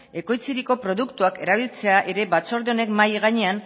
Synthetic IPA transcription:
e̞ko̞jt͡siɾiko̞pɾo̞ðukt̪uake̞ɾaβilt͡se̞aʔe̞ɾe̞βat͡so̞ɾðeo̞ne̞kmajɣaɲe̞an

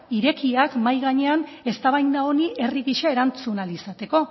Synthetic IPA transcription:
iɾe̞kiakmajɣaɲe̞an | e̞st̪aβajnd̪ao̞niʔe̞riɣiʃae̞ɾant͡sunalisat̪e̞ko̞

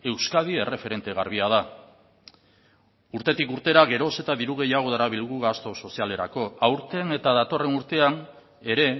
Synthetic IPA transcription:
e̞wskaðie̞re̞fe̞ɾe̞nt̪e̞ɣ̞aɾβ̞iað̞a | uɾt̪e̞t̪ikuɾt̪e̞ɾaɣe̞ɾo̞se̞t̪aðiɾuɣ̞e̞jaɣ̞o̞ðaɾaβilɣuɣast̪o̞so̞siale̞ɾa̰ko̞awɾt̪e̞ne̞t̪aðat̪o̞re̞nuɾt̪e̞an | e̞ɾe̞

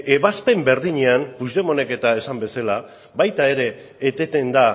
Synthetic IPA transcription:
e̞βaspe̞mbe̞ɾðiɲe̞anpuzðe̞mo̞ne̞ke̞t̪ae̞sambe̞sala | βajt̪ae̞ɾe̞ː | t̪e̞t̪e̞nd̪a

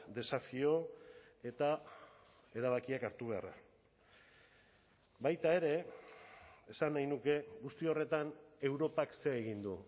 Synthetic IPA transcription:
d̪e̞safio̞e̞t̪a | e̞ɾaβ̞akiakaɾt̪uβ̞e̞a̰ra̰ | bajt̪ae̞ɾe̞ | esanːajnuke̞ɣust̪io̞re̞t̪ane̞wɾo̞pakse̞ːɣind̪u

